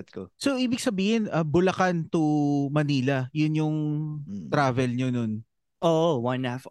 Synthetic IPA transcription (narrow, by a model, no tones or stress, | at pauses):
t̪̚kosoʔiːbɪɡ̚sɐbiːhɪnʔɐbʊlɐkant̪ʊmɐniːlɐjʊnjʊŋ | t̪ɾaːvɛlɲonon | ʔoːʔwɐnaf